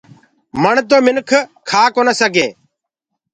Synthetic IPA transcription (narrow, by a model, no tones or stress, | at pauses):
məɳt̪̬oːmɪnkʰkʰaːkoːnəsəɡẽː